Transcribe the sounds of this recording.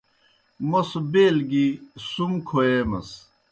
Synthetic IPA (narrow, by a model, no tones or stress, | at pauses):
mɐsbeːlɡisumkʰoemɐ̰s